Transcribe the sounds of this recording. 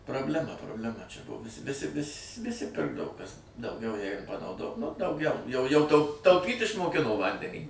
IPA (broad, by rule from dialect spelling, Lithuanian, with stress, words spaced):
prɐbʲlʲɛˈmɐ proːbʲlʲɛˈmɐ t͡ʃʲɛ ˈbʊʋʊsʲɪ ʋʲɪˈsʲɪ ʋʲɪs ʋʲɪˈsʲɪ ˈpʲɪrɡdɐʋoː ˈkɐs dɐʊˈɡʲɛʊ ˈjɛɪɡʊ pɐnɐʊˈdoː nʊ dɐʊˈɡʲɛʊ jɛʊ jɛʊ tɐʊ tɐʊˈpʲiːtʲ ɪʃmoːˈkʲɪnoː ˈʋɐnʲdʲɛnʲiː